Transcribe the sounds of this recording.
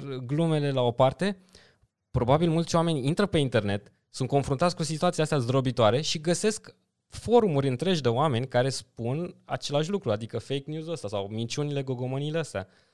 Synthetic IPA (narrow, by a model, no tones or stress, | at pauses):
ɡlume̞le̞lao̞part̪e̞ | pɾo̞babilmult̪sʲoame̞nʲint̪ɾəpe̞int̪e̞rne̞t̪ | sunt̪̚ko̞nfɾunt̪at̪sʲkusit̪uat̪siaast̪eazd̪ɾo̞bit̪oaɾe̞ʃiɡəse̞sk | fo̞ɾumuɾʲɨnt̪ɾe̞ʒd̪e̞oame̞nʲkaɾe̞spuna̰t͡ʃe̞laʃ̬ʲlukɾuad̪ikəfe̞jknjuzuəst̪asawmint͡ʃunile̞ɡo̞ɡo̞mənileəst̪ea̰